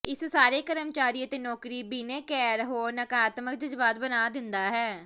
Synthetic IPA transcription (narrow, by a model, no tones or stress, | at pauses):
ɪssaːɾeːkəɾəmt͡ʃaːɾiːət̪eːnɔːkɾiːbiːneːkɛːɾɦoːɾnəkaːt̪mək̚d͡ʒəd͡ʒbaːt̪̚bənaːd̪ɪnd̪aːɦɛː